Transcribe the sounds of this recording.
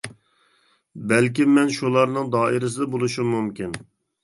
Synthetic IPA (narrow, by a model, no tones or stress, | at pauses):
bɛlkʲimːɛnʃulˠɑɾnɨŋd̪ɑːɪɾɪs̬ɨd̪ɑbolˠuʃumːumkʲin